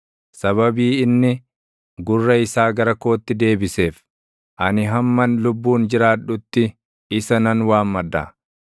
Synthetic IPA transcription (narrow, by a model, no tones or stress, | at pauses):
sɐβɐbiːɪnːɪ | ɡʊrːɐɪsaːɡɐɾɐko̞ːt̪ːɪd̪e̞ːbɪse̞ːf | ʔɐnɪɦɐmːɐnlʊbːuːnd͡ʒɪɾaːᶑʊt̪ːɪ | ɪsɐnɐnwaːmːɐd̪ːa̰